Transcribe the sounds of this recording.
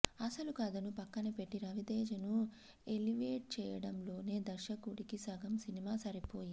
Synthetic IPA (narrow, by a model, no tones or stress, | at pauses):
ɐsɐlukɐːd̪ɐnupɐkːɐnipe̞ʈːiɾɐʋid̪eːd͡ʒɐnu | eliʋeːʈ̚t͡ʃɛːjɐɽɐmlo̞ːne̞ːd̪ɐʃɐkuɽikisɐɡʱɐmsinimaːsɐɾipo̞ːji